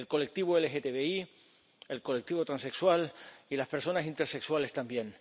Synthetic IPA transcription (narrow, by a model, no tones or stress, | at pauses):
elko̞le̞k̚t̪iβoelexet̪eβei | elko̞lek̚t̪iβo̞t̪ɾanse̞kswalilaspe̞ɾso̞nasint̪eɾse̞kswale̞st̪ambjẽ̞ŋ